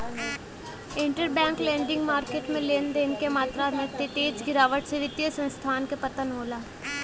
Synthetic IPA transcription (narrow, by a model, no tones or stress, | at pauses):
ɪ̃ɳʈəɾbɛ̃ːŋklẽːɳɖɪ̃ŋɡmaːɾkeːʈmẽleːnd̪eːnkemaːt̪ɾamẽt̪eʈeːd͡ʒɡɪɾaːʋəʈseʋɪt̪jəsə̃nst̪ʰaːnkepɐt̪ənɦoːlaː